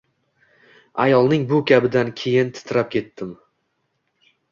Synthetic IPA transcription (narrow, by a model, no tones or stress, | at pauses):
ajɒlˠnɪŋbʊkʲʰabɪd̪ankʲʰe̞jɪnt̪ʰɪ̥t̪ʰɪɾap̚kʲʰe̞t̪ʰːɪm